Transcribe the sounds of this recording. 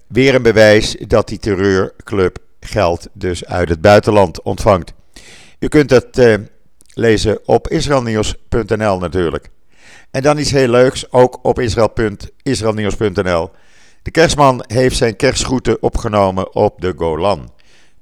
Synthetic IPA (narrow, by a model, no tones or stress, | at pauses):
ʋɪːɹənbəʋɛjsdɑt̚ditərøːɹklɵp | χɛlˠtdɵsœ̰ɥtɦəd̚bœɥtəlɑntɔ̰ntfɑŋt | ykɵntɦət | lejzəɔpɪsrelˠniwspɵntɛnɛlˠnatyːɹlə̰k | ɛndɑnɪtsɦeːløɥksowkɔpɪsrɛlˠpntɪsrelˠniwspɵntɛnɛlˠ | d̥əkɛɹsmɑnɦejftsɛjnkɛɹsχutəʔɔpχənowməʔɔp̚dəɡowlɑn